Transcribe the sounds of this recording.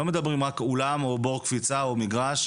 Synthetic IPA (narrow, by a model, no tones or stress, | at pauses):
o̞me̞d̪abʁimʁakulamo̞bo̞ʁkfit͡saomiɡʁaʃ